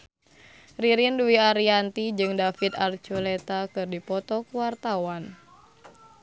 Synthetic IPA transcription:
riɾinduiaɾiant̪id͡ʒɨŋdafit̪art͡ʃulɛt̪akɨrdipɔt̪ɔkuwart̪awan

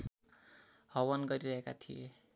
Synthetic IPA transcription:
hʌwʌnɡʌɾiɾʌɦekat̪ʰie

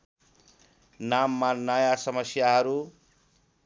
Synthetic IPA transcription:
namːanʌjasʌmʌsjaɦʌɾu

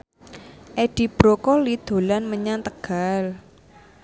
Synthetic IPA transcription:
ʔeɖ̥i̤b̥ɾokolid̪̥o̤lanməɲant̪əɡ̥a̤l

